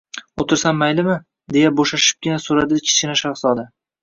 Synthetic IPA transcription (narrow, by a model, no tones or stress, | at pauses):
ot̪ʰɪɾsamːajlɪmɪ | d̪e̞jaboʃaʃɪ̥p̚kʲɪnasoɾad̪ɪt͡ʃʲʰɪ̥t͡ʃɪnaʃaχsɒd̪a